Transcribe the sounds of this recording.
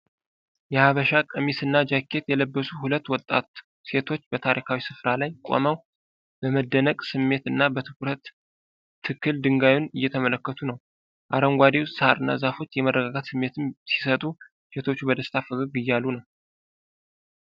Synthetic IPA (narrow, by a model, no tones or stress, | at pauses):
jɛhaβəʃakʼəmisɨnːad͡ʒakʰːe̞t̪jɛləbːəsuhulət̪ːwɔt̪ʼːa̰t̪ | se̞t̪ʰo̞t͡ʃːbət̪ʰaɾʔikʰawisɨfɾalajkʼo̰məw | bəməd̪ːənəkʼsɨmːe̞t̪ɨnːabət̪ʰɨkuɾət̪ʰː | ɨkːɨld̪ɨŋɡajnɨjːɛt̪ʰəmələkːət̪ʰunəw | ʔaɾəŋɡʷad̪ewssɨhaɾɨnːa̰zafo̞t͡ʃːjɛmərːəɡaɡat̪sɨmːe̞t̪ʰɨmsi̥sət̪ʼu | se̞t̪ʰo̞t͡ʃːubəd̪əst̪ʰafɨɡɨɡɨjːalːunəw